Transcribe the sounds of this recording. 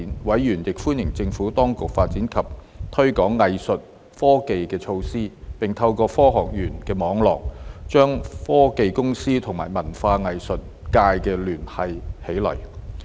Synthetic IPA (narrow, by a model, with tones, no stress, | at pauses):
nwɐ˨˥jːyː˨˩njɪ˨k̚fuː˥njɪ˨˩ŋt͡sɪ˧ŋfuː˨˥t̪ɔː˥ŋkʊ˨k̚faː˧t̚t͡siː˨˥nkʰɐ˨p̚ | t̪ʰɵ˥ɥkɔː˨˥ŋːɐ˨jsɵ˨t̚ | fɔː˥ke˨jkɛː˧t͡ʃʰo˧wsiː˥pɪ˨˩ŋt̪ʰɐ˧wkɔː˧fɔː˥ɦɔː˨k̚jyː˨˩nkɛː˧mɔː˨˥ŋlɔ̰ː˨k̚t͡ʃœː˥ŋfɔː˥ke˨jkʊ˥ŋsiː˥t̪ʰʊ˨˩ŋmaː˨˩jmɐ˨˩nfaː˧ŋɐ˨jsɵ˨t̚ | kaː˧jkɛː˧lyː˨˩nhɐ˨jhe˨˥jlɐ̰˨˩j